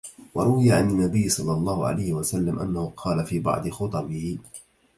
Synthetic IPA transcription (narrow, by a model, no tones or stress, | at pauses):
wɑɾˤʊwɪjaʕanɪnːabɪjːsˤɑlːɑlˤːɑːhʊʕa̰lajhɪwasalːamʔa̰nːahʊqʰɑːlafiːbɑ̰ʕd̪ˤɨxʊt̪ˤɑbɪhɪ